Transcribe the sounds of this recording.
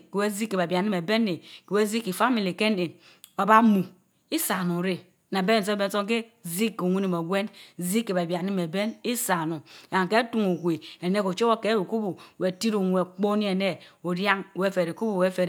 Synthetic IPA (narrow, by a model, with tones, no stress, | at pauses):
ke˨we˦zi˦kːe˨ba˨ba˨ni˦me˨be˦ne˨ke˨we˦zi˦ki˨fa˦mi˨li˨ke˦ne˨ | a˨ba˦mu˨ | i˦sa˨nu˨ɾe˨ | na˨be˦n˦˨s̬o˦be˦n˦so˦ŋke˦zi˦kːo˨ŋʷe˦ni˨mo˨ɡʷe˦nzi˦kːe˨ba˨bja˨ni˦me˨be˦ni˦sa˨nu˨a˨ŋ˨ke˦tu˦ŋu˨ɡʷe˨e˨ne˦ko˨t͡ʃo˦o˦ke˦wu˨ku˦bu˨we˨ti˦ɾo˨ŋʷ˨e˨k͡po˦ni˦e˨ne˦o˨dja˦ŋ˨we˦fe˨ɾe˨ku˦bu˨we˦fe˨ɾ